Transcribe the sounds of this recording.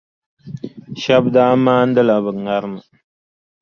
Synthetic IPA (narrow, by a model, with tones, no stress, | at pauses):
ʃa˦b̚da˦maː˦n˦dɨ˦la˨βɨ˨ŋa˦ɾma˨